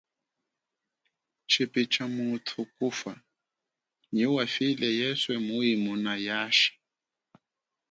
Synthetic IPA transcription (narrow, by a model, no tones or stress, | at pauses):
t͡ʃʰepit͡ʃʰʼamutʰʊkufa | ɲiwafilɛjɛswɛmʊimunajaːʃi̥